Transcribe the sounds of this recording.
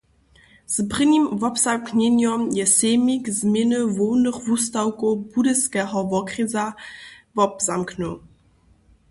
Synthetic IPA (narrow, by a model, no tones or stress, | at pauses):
z̥bʁɘnʲimvɔpz̥amknɛnɔmjɛsɛːmikzmʲjenəvownəχvustawkobudəskɛɦɔvɔkʁizavɔpzamknɔ